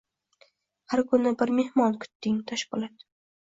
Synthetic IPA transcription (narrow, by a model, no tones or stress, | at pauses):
haɾkʰʊnɪbɪɾme̞hmɒnkʰʊ̥t̪ːɪŋt̪ʰaʃkɪlˠɒt̪